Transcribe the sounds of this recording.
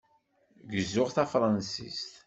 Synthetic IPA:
ɡəzːʊʁθæfɾˤɑnsḭst̪

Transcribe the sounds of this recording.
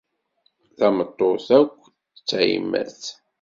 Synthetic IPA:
θɑmət̪ˤːoθækʷː | t͡sːḭmːæ̰θ

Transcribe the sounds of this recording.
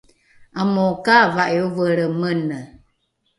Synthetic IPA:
amokavaʔeovəɾəmənə

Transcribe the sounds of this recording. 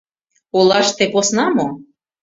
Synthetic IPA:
ulˠɑʃt̪eposnɑmo

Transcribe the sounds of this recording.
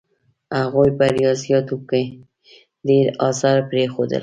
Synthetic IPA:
aɣojbaɾjɑzijɑt̪uke | d̪eɾɑsaɾpɾexod̪ə̰l

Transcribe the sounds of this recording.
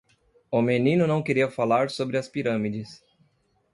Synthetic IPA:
ʊmenĩnʊnɐ̃w̃keɾiɐfalaɾsobɾɪɐspiɾɐ̃mid͡ʒɪs

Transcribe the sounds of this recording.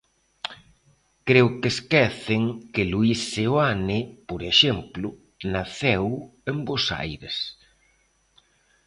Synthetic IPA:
kɾewkeskɛθɪŋkɪluisːewanɪpoɾeʃɛmplʊ | naθɛwembosa̰jɾes

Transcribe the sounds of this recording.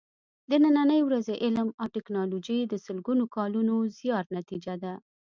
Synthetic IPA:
d̪ənananəjwɾazeʔɪlmawʈɪknɑlod͡ʒəjd̪əsəlɡunokɑlunozjɑt̪nat̪id͡ʒad̪a

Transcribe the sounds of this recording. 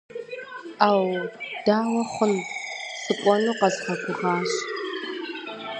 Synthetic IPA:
aːwd̥aːwɐχʷʊnsɨkʷʼɔnuːqɐzħɐɡʷʊʁɑːɕ

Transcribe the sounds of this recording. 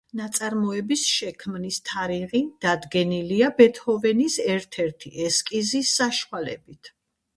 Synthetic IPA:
nat̪sʼaɾmɔɛbisʃɛkʰmnist̪ʰaɾiʁid̪̥ad̪ɡɛniliabɛt̪ʰhɔvɛnisɛɾt̪ʰɛɾt̪ʰiʔɛskʼizisːaʃwalɛbit̪ʰ

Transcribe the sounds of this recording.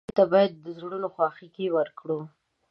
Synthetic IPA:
t̪abɑjad̪ːəzɽunoxwɑxikiwəɾkɽu

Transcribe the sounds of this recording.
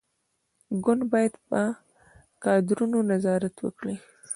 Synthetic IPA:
ɡʊnbɑjad̪ba | kɑd̪ɪɾunonazɑːɾat̪wə̰kɽi

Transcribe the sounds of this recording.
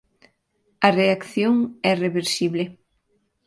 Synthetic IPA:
ɐreakθjoŋɛreβeɾsiβle

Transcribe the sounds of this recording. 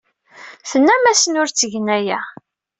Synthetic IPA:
θənːæmæsənʊɾt͡sːəʝənæjæ

